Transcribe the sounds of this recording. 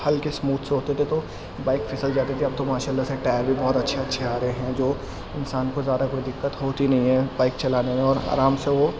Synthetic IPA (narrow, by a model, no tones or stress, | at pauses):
hɐlkesmuːd̪seɦoːt̪et̪ʰet̪o | baːɪkfʰɪsəld͡ʒaːt̪et̪ʰeɐb̚t̪omaːʃaːlːaseʈaːɾbʱibɔːt̪ɐtːʃʰeɐtːʃʰeaːɾəɦeɦɛ̃d͡ʒoː | ɪnsaːnkozaːd̪akoːid̪ɪkːət̪ɦoːt̪inɐɦĩɦɛ̃baːɪkt͡ʃɐlaːnemẽɔːɾa̰ːɾaːmseʋo